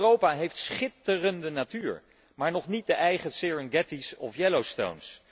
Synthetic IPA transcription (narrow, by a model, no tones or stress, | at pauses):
rowpaɦejftsχɪtərəndənatyːɹ | maːɹnɔχnit̚dəʔɛjχəsɪɹənɡɛtisɔ̰fjɛlowsto̰wns